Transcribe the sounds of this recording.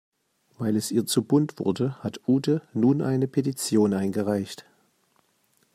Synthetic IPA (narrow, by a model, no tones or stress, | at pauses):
v̥aɪlɛsʔiːɐt͡subʊntv̥ʊ̰ɐdəhatʰʔuːtənuːnʔa̰ɪnəpʰetit͡sjoːnʔaɪnɡəʁaɪçt